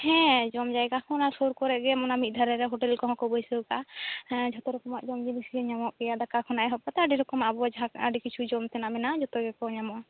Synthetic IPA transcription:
hɛ̃d͡ʒɔmd͡ʒajkakʰɔnasoɾkɔɾɛʔɡɛmɔnamit̪̚ˀd̪ʱaɾɛɾɛɦoʈɛlkɔɦɔ̃kɔbɔjsəkad͡ʒʱɔt̪ɔɾɔkɔmaʔd͡ʒɔmd͡ʒimisiɛɲamɔʔkɛjad̪akakʰɔnaʔɛɦɔpat̪ɛaɖiɾɔkɔmaabɔad͡ʒɦakaɖikit͡ʃʰud͡ʒɔmt̪ɛnamɛnad͡ʒɔt̪ɔɡɛkɔɲamɔʔa

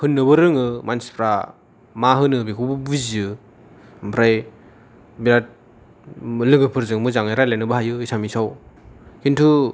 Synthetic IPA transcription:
hɯnːɯbɯɾɯŋɯmansi̥pʰɾa | maɦɯnɯbikʰubɯbuziɯ | mpʰɾaj | biɾat̚ | lɯɡɯpʰɯɾzɯŋmɯzaŋajɾajlajnɯbɯɦajɯisamisawkintʰu

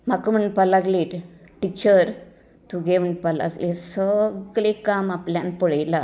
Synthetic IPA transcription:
makəm̤əɳʈ̚palaɡleʈ | ʈit͡ɕəɾ | t̪uɡem̤əɳʈ̚pala̰ɡlesəɡlekamapljanpɔɭajla

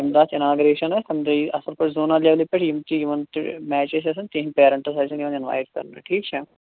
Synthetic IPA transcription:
imd̪aːt͡ʃɪnaːɡɾeːʃɐnɐsɐnd̪ɐiɐsɐlpɐʈʰzoːnaːljaːʋlipɐʈʰjimt̪ijiʋɐn̰mɛːt͡ʃes̬ɐs̬ɐnt̪iːɦnpeːɾɐɳʈɐsɐsʰɐnjiʋɐnɪnʋa̰ːjʈ̚kɐ̰ɾnɐ̰ʈʰiːkt͡ʃʰɛ

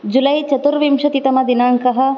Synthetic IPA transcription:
d͡ʒulɐjt͡ʃɐt̪uɾʋimʂɐt̪it̪ɐmɐd̪inaːŋkɐɦɐ̆

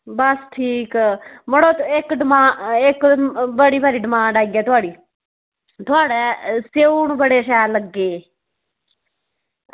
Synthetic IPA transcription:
bəsʈʰiːkməɽõːt̪ɪkɖəmãːɪkbəɽiːbaːɾiːɖəmãːɖaːiːɡɛːt̪ʊaːɽiː | t̪ʊaːɽɛːseːuːɳbəɽeːsɛːləɡːeː

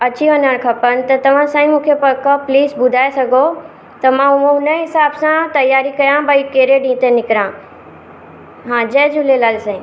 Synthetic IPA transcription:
ɐt͡ɕiɦɐnəɽ̃kʰɐpənɪ̆t̪ɐt̪ɐʋ̤ãsãːĩmũːkʰepɐkɐpliːsbʊd̪ʱaːesɐɡʱo | t̪ɐmãʊõɦʊnəɦɪsaːbsãt̪ɐjaːɾikɐjãbɐikeːɾeɖĩːt̪enɪkɾã | ɦãːd͡ʑɐːd͡ʑʊlelaːlsɛ̃

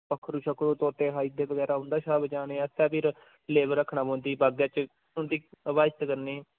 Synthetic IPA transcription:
pəkʰːɾuːʃəkʰːɾoːt̪oːt̪eːɦaːid̪eːbəɡɛːɾaːɦʊ̃nd̪aːʃaːbət͡ʃaːneːɛt̪ɛ̃ːpʰɪɾ | leːʋəɾəkʰːnãːbõːnd̪iːbaːɡjãːt͡ʃ | ʊnd̪iːəʋaːd͡ʒt̪kəɾneː

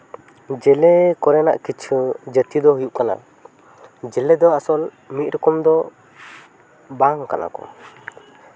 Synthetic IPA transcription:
d͡ʒɛlɛkɔɾɛna̰ʔkit͡ʃʰud͡ʒət̪id̪ɔɦujuʔkana̰ | d͡ʒɛlɛd̪ɔasɔl | mit̪̚ɾɔkɔmd̪ɔ | baŋka̰na̰kɔ̰

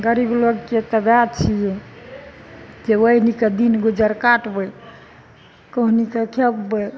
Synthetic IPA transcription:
ɡəɾibloɡket̪əbjad̪t͡ʃʰijɛ | d͡ʒewəiniked̪inɡod͡ʒəɾkaʈbəj | kəɦnikekʰekbə

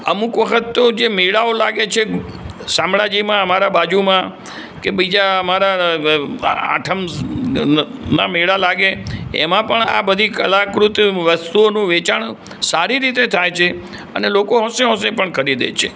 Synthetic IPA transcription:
əmukʋəkʰət̪ːod͡ʒemiɭaolaɡet͡ʃʰe | sãmɭad͡ʒimãəmaɾabad͡ʒumã | kebid͡ʒaəmaɾa | a̰ʈʰəm | namiɭalaɡeḛmãpəɳa̰bəd̪ʱikəlakɾut̪ʋəst̪uonũʋet͡ʃaɳ | saɾiɾit̪et̪ʰajt͡ʃʰe | ə̰nelokoɦõsẽɦõsẽpəɳkʰəɾid̪ḛt͡ʃʰe

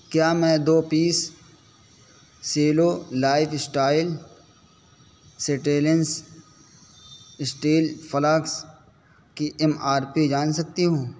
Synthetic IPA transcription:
kjaːmɛ̃ːd̪oːpiːs | eːlolaːɪfɪsʈaːɪl | seʈeːləns | ɪsʈeːlfɐlaks | kiʔɛmaːɾpid͡ʒaːnsɐk̚t̪iɦũː

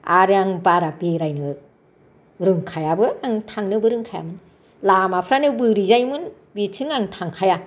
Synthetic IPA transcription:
aɾɯaŋbaɾabeɾajnɯk̚ | ɾɯŋkʰajabɯaŋtʰaŋnɯbɯɾɯŋkʰaja̰mɯn | lamapʰɾanɯbɯɾizajmɯn | bitʰɯŋaŋtʰaŋkʰaja

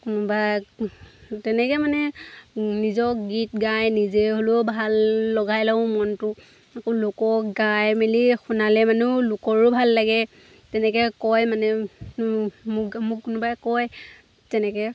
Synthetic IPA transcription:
kunʊba | tɛnɛkɛmanɛ | nizɔkɡitɡajnizeɦolobʱalːɔɡajlaʊ̃mɔntʊ | akolʊkɔkɡajmelixunalɛmanulʊkɔɹubʱalːaɡɛ | tɛnɛkɛkɔjmanɛ | mmʊkkʊnʊbakɔj | tɛnɛkɛ

